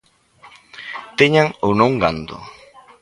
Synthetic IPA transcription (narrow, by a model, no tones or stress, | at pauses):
t̪eɲaŋownõŋɡand̪ʊ̰